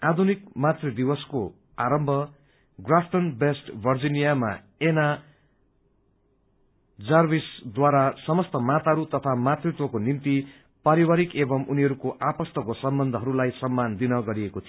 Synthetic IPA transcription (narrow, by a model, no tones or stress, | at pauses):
ad̪ʱunikmat̪rid̪ibʌsko | aɾʌmbʱʌ | ɡrapʰʈʌnbesʈbʱʌrd͡zinijama̰ | ena | d͡zʌrbisd̪waɾasʌmʌst̪ʌmat̪aɾut̪ʌt̪ʰamat̪rit̪wʌkonimt̪i | paɾiwaɾikebʌmuniɦʌɾukoʔapʌst̪ʌkosʌmbʌnd̪ʱʌɦʌɾulajsʌmːand̪inʌɡʌɾiekot̪ʰi